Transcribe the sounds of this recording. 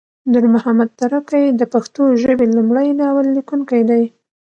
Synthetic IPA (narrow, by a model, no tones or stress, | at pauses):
d̪uɾmʊhamad̪̚t̪aɾakajd̪əpaxt̪oʒəbelumɽajnɑwalːikuŋkajd̪aj